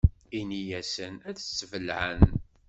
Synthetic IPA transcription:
inijæsənæðsːəvəlʕə̰n

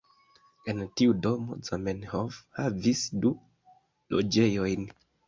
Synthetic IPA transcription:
e̞ntiudo̞mo̞̰zamenhovhavisdu | lo̰d͡ʒe̞jo̞jn

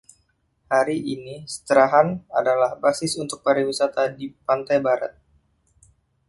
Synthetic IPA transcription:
haɾiʔinisə̥t̪əɾaɦanadalahbasɪsunt̪ʊk̚paɾiwisat̪adipant̪ajbaɾa̰t̪̚

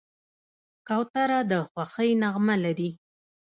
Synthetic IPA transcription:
kawt̪aɾad̪əxwaxəjnaɣmalaɾi

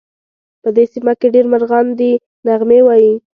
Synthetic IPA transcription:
pəd̪esimakeɖeɾmaɾɣand̪i | naɣmewɑji

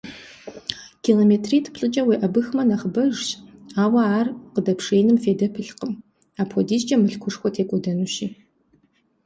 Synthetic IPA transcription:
kʰiloːmeːtʰriːtʰɨ̥pʰɬʼɨt͡ʃʼɐwiːʔɐbɨxmɐnɐχbɐʒɕaːwɐaːrqədɐpʂeːnɨmfeːdɐpʰɨɬqəm | aːpʰʷɔdiːzd͡ʒʼɐmɨɬkʷʰʊʂxʷɔtʰeːkʷʼɔdɐnuːʃiː

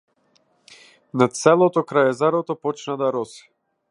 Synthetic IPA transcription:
nat̪sɛlˠɔt̪ɔkɾajɛzaɾɔt̪ɔpɔt͡ʃnad̪aɾɔsɛ̥

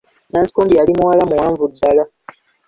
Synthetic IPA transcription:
naːnsi̥koːmbijalimuwalamuwaːɱvudːala

